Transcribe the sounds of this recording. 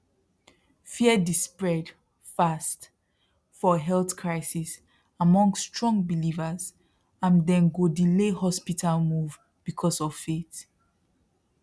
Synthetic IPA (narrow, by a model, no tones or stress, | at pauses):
fiədispɹɛd | fast | fɔɦɛlθkʰɹaɪsis | amɔ̃ŋsːtɹ̥ɔ̃ŋbilivəz | ãndɛ̃nɡodilehɔspitʰalmuv | b̥ikʰɔsɔv̥fet